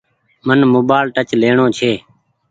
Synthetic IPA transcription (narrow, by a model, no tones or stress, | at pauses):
mənmoːbaːlʈət͡ʃleːɳoːt͡ʃʰeː